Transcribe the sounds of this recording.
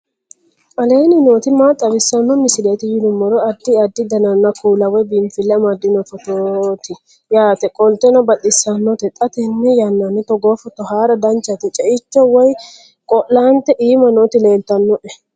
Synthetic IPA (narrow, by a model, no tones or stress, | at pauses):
ɐleːnɪnoːt̪ɪmat̪ʼːɐbɪsːɐnːɔmɪsɪleːt̪ɪjɪd̪ʊmːɔɾɔɐd̪ːɪɐd̪ːɪd̪ɐnɐnːɐkuːlɐwɛbɪmfɪlːɛmɐd̪ːɪnɔfɔt̪ot̪ɪ | jaːt̪ɛkʼɔlt̪ɛnɐbɐt̪ʼːɪsːɐnːɔt̪ɛt̪ʼːɐt̪ɛnːɛjɐnːanɪt̪ɔɡoːfɔt̪ːɔhaːɾɐd̪ɐnt͡ʃːɐt̪ɪt͡ʃʼɛʔɪt͡ʃːɔwɔj | kʼɔlːaːnt̪ɛʔiːmɐnot̪ɪle̞ːlt̪ɐnːɔʔɛ